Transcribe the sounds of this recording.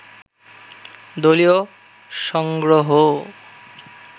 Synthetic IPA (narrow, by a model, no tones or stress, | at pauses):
d̪olio | ʃɔŋɡɾoɦo